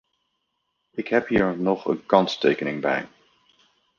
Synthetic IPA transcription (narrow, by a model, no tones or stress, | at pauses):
ɪkɦɛpɦiːɹnɔχə̰nkɑnstejkənɪŋbɛ̰j